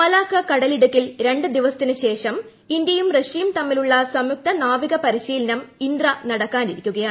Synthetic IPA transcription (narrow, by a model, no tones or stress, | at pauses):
mɐlaːkːɐkɐɽɐliɽukːilɾe̞ɳɖɨd̪iʋɐsɐ̥t̪ːinɨɕe̞ːʂɐm | ind̪jɐjumreʂiːmt̪ɐmːiluɭːɐsɐmjuk̚t̪ɐnaːʋiɣɐpɐɾiɕiːlɐnɐmind̪rɐnɐɽɐkːaːniɾikʲːuɣɐjaːɳ